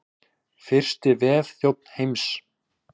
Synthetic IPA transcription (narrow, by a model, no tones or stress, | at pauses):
fɪr̥st̪ɪvɛːðθjowp̚n̥hejms